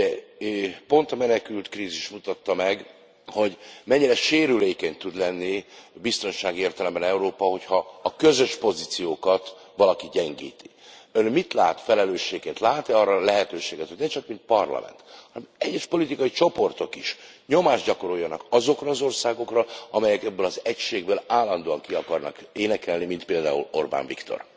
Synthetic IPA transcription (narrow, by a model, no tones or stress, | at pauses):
ɛ | po̞nt̪ɒmɛnɛkylt̪kriːziʃmut̪ɒt̪ːɒmɛɡ | ho̞ɟmɛɲːiɾɛʃeːɾyleːkɛɲt̪ud̪lɛnːibist̪o̞nʃaːɡieːrt̪ɛlɛmbɛnɛuɾoːpɒho̞chɒːkøzø̞ʃpo̞zit̪sijoːkɒt̪ | ʋɒlɒkiɟɛŋɡḭːt̪i̥ | ønmit̪laːt̪fɛlɛløːʃeːkːeːnt̪laːt̪iɒrːɒlɛɦɛt̪øːʃeːɡɛt̪hoɟnɛt͡ʃɒkmint̪̚pɒrlɒ̰mʔɛ̰nt̪hɒnɛmɛɟːɛʃpo̞lit̪ikɒjit͡ʃo̞po̞rt̪o̞kiʃ | ɲo̞maːʒɟɒko̞ɾo̞jːɒnɒkɒzo̞krɒːzo̞rsaːɡo̞krɒɒmɛjɛkɛbːølɒzɛcʃeːɡbøːlaːlːɒnd̪oːɒŋkiɒkɒrnɒ̰keːnɛkɛlnimint̪̚peːld̪a̰ːulo̞̰rba̰ɱvḭkt̪o̞̰r